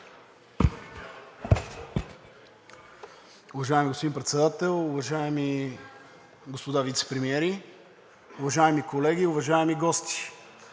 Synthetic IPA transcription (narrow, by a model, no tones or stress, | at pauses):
ʊvɐʒaɛmiɡospod̪impɾɛt̪sɛd̪at̪ɛlˠʊvɐʒaɛmi | ɡospod̪avit̪sɛ̥pɾɛmiɛɾi | ʊvɐʒaɛmikolɛɡʲiʊvɐʒaɛmiɡɔst̪i̥